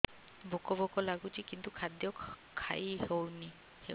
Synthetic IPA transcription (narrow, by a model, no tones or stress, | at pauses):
bʱɔkɔbɔkɔlaɡutʰikint̪ukʰad̪jɔkʰa̰jhowni | he